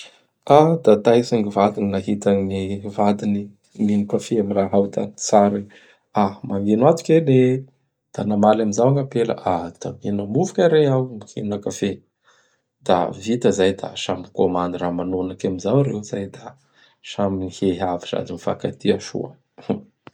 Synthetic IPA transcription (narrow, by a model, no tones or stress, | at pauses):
ad̪at̪ajsaŋivad̪ininaɦit̪əŋivad̪ini | minikafeamiraɦawt̪at͡saɾi | amaminat̪u̥kʲele | d̪̥anamalamizawaŋapela̰ʔad̪̥abinəmuvu̥kʲaɾeawmukinakafe | d̪̥a̰vit̪əzajd̪a̰ʃamikomand̪iramanonakamizawɾewzajd̪a | ʃaminiheɦaviza̰d̪inifa̰kat̪iəʃṵə̰